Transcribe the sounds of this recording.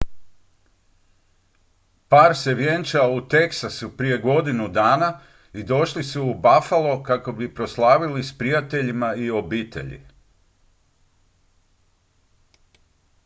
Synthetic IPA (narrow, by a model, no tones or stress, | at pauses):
paːɾse̞ʋjent͡ʃaut̪e̞ksasupɾije̞ɡo̞d̪inud̪aːna | id̪o̞ʃlisuːbafalˠo̞kako̞bipɾo̞slˠaːʋilispɾijat̪e̞ʎimaio̞biːt̪ḛʎḭ